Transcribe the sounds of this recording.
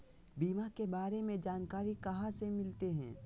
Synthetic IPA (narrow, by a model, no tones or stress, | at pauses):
biːmakebaːɾemẽd͡ʒaːnkaːɾikɐɦãsemɪlt̪eɦɛ̰̃ː